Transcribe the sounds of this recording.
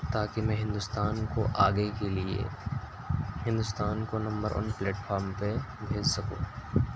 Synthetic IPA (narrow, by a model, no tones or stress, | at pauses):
t̪aːkimɛ̃ːɦɪ̃nd̪ʊst̪aːnkoʔaːɡeekeliḛ | hɪ̃nd̪ʊst̪aːnkonɐ̃mbəɾʔɔ̰ːnplɛːʈfaːɾmpe | bʱeːd͡ʒsɐkṵ̃ː